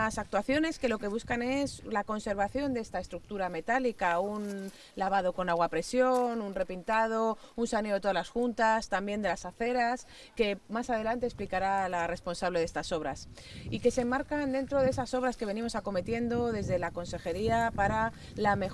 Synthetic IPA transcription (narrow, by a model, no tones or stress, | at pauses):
asak̚t̪waθjo̞ne̞ske̞lo̞ke̞β̞uskane̞slako̞nse̞ɾβaθjo̞nd̪e̞st̪ae̞st̪ɾuk̚t̪uɾame̞t̪alikaun | laβað̞o̞ko̞naɣwapɾe̞sjo̞nunre̞pint̪að̞o̞unsane̞t̪oalasxunt̪ast̪ambjend̪e̞lasaθe̞ɾas | ke̞masaðe̞lant̪e̞ːsplikaɾalare̞spo̞nsaβle̞ð̞e̞st̪aso̞β̞ɾas | ike̞semːaɾkand̪e̞nt̪ɾo̞ðesaso̞βɾaske̞β̞e̞nĩmo̞sako̞me̞t̪je̞nd̪o̞ðe̞zðe̞lako̞nse̞xe̞ɾiapaɾa | lame̞